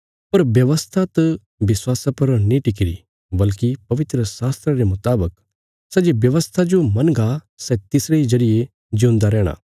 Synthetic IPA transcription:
pɐɾʋjɐʋəst̪ʰat̪ɐ | ʋɪswaːsapɐɾnĩʈɪk̬ɪɾḭ | bɐlkipɐʋɪt̪ɾəsaːst̪ɾaɾemʊt̪aːbək | sɛːd͡ʒebjɐʋəst̪ʰad͡ʒomɐnɡa | sɛt̪ɪsɾeid͡ʒɐɽɪje | d͡ʒũnd̪aɾɛːɽ̃a̰ː

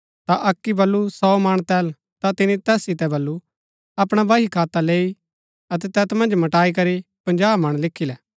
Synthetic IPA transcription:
t̪aʔɐkːibɐlːusɔːmɐɽ̃t̪ɛːl | t̪at̪ɪnit̪ɛːsːɪt̪ɛbɐlːu | ɐpɽ̃abaːɦikʰaːt̪aleːi | ɐt̪ɛt̪ɛːt̪mɐ̃nd͡ʒmɐʈaːikɐɾipɐ̃nd͡ʒaːbmɐɽ̃lɪkʰilɛ

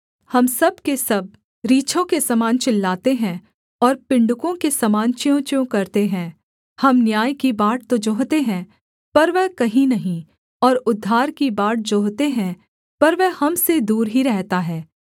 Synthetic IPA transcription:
hɐmsɐb̚kesɐb̚ | ɾiːt͡ʃʰõkesɐmaːnt͡ʃɪlːaːt̪eɦɛ̃ | ɔːɾpɪ̃ɳɖʊkõkesɐmaːnt͡ʃjõːt͡ʃõkɐɾt̪eɦɛ̃ | hɐmnjaːjkibaːʈ̚t̪od͡ʒoːɦt̪eɦɛ̃ | pɐɾʋɛɦkɐɦĩnɐɦĩ | ɔːɾʊd̪ʱːaːɾkibaːʈ̚d͡ʒoːɦt̪eɦɛ̃ | pɐɾʋɛhɐmsed̪uːɾɦiɾɛɦt̪aɦɛː

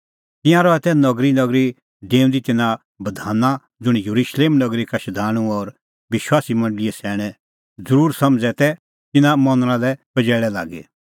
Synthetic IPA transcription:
t̪ɪ̃jãɾɔɛt̪ɛnɔɡɾinɐɡɾi | dẽːũnd̪it̪ɪnã | bɐd̪ʱaːna | d͡zʊɽ̃jɐɾuʃleːmnɐɡɾikaʃɐd̪ʱaːɽ̃ũɔɾ | ʋɪʃwaːsimɐ̃ɳɖliɛsɛːɽ̃ɛ̃ | d͡zəɾuːɾsɐmd͡zɛt̪ɛ | t̪ɪnãmɔ̃nɾ̃ãlɛpɐd͡ʒɛːɭɛla̰ːɡḛ

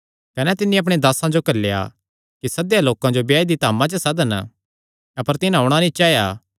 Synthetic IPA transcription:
kɐnɛt̪ɪnːĩɐp̬ɽ̃ed̪aːsãd͡ʒokɐlːja̰ | kisɐd̪jaloːkãd͡ʒobjaːid̪it̪aːmãt͡ʃəsɐd̪ən | ɐpəɾt̪ɪnɦaːɽ̃anĩt͡ʃaːjaː

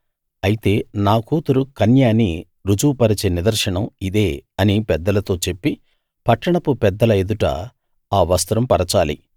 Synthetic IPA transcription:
ɐjit̪e̞ːnaːkuːt̪uɾukɐnjaːni | ɾud͡ʒuːpɐɾɐt͡ʃeːnid̪ɐɾʂɐɳɐmid̪e̞ːɐnipɛd̪ːɐlɐt̪o̞ːt͡ʃe̞pːi | pɐʈːɐɳɐpupɛd̪ːɐlɐed̪uʈɐ̰ | aːʋɐst̪ɾɐmpɐɾɐt͡ʃaːlḭ

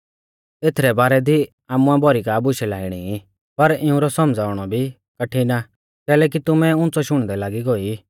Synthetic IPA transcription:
t̪eːt̪ʰɾɛbaːɾɛd̪i | aːmũabʱɔɾikaːbʊʃɛlaːɪɽ̃i | pɐɾɪũɾɔsɔmd͡zaːʊɽ̃ɔbʱi | kɐʈʰina | kɛːlɛːk̬it̪ʊmɛ̃ʊ̃ːnt͡sɔʃʊɽ̃d̪ɛlaːɡiɡɔi

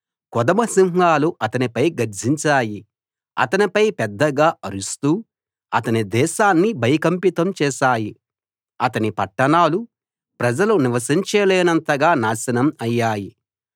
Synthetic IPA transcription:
kɔd̪ɐmɐsiŋɦaːluʔɐt̪ɐnipɐjɡɐɾd͡ʒiɲt͡ʃaːji | ɐ̰t̪ɐnipɐjpɛd̪ːɐɡaːʔɐɾust̪uː | ɐt̪ɐnid̪ɛːʃaːnːibʱɐjɐkɐmpit̪ɐmt͡ʃɛːʃaːji | ɐt̪ɐnipɐʈːɐnaːlu | pɾɐd͡ʒɐluniʋɐsiɲt͡ʃɛːlɛːnɐnt̪ɐɡaːnaːsɐnɐmɐjːaːji

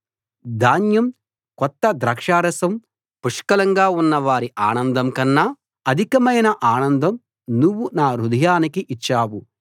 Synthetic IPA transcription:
d̪aːnjɐm | kɔt̪ːɐd̪ɾɐːkʂaːɾɐsɐm | puʂkɐlɐŋɡaːunːɐʋaːɾiʔaːnɐnd̪ʱɐmkɐnːa | ɐd̪ʱikɐmɐjnɐʔaːnɐnd̪ʱɐm | nuʋːunaːɾud̪ɐjaːnikiʔit͡ʃːaːwu

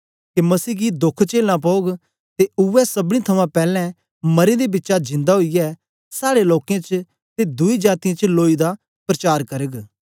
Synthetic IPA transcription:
kemɐsiːɡid̪ʊkʰt͡ʃeːlãp̬ɔːɡ | t̪eʊɛsɐbɽ̃ĩt̪ʰɐmãpɛːlɛ̃ | mɐɾed̪ebɪtːʃad͡ʒɪ̃nd̪aɦoijɛː | saːɽeloːkãt͡ʃ | t̪ed̪ʊid͡ʒaːt̪ijãt͡ʃloːid̪a | pɾɐt͡ʃaːɾkɐɾəɡ

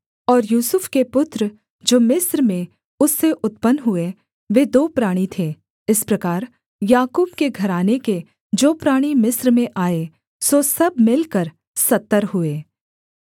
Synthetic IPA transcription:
ɔːɾjuːsʊfkepʊt̪ɾə | d͡ʒoːmɪsɾmẽ | ʊsːeʔʊt̪pənɦʊe | ʋeːd̪oːpɾaːɽ̃it̪ʰeː | ɪspɾɐkaːɾ | jaːkuːb̚keɡʱɐɾaːneke | d͡ʒoːpɾaːɽ̃imɪsɾmẽʔaːe | sosɐbmɪlkəɾ | sɐt̪ːəɾɦʊeː

